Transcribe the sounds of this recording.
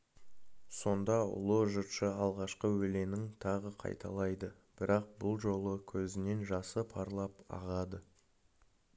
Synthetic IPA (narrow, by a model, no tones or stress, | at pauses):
so̞nd̪ɑʊ̰lˠəʒʊt̪ʃəɑlˠʁɑʃqəwɵle̞nɪŋt̪ʰɑʁəqʰɑ̰jt̪ʰɑ̰lˠɑjd̪ə | b̥ɪɾɑq̚bʊlˠʒo̞lˠəkʲʰɵzɪne̞nʒɑsəpʰɑɾlˠɑpɑ̰ʁɑd̪ə